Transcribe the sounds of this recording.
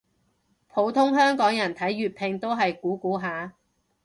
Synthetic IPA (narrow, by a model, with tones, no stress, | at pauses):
pʰo˨˥wt̪ʰʊ˥ŋɦœː˥ŋkɔː˨˥ŋjɐ˨˩nt̪ʰɐ˨˥jːyː˨t̚pʰɪ˧ŋt̪o˥wɦɐ˨jkuː˨˥kuː˨˥ɦaː˨˥